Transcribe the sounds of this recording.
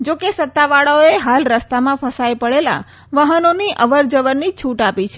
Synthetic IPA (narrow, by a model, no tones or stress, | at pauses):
d͡ʒokesət̪ːaʋaɭaoeɦalɾəst̪amãfʰəsajpəɭela̰ | ʋəɦənoniʔəʋəɾd͡ʒəʋənːit͡ʃʰuʈapit͡ʃʰe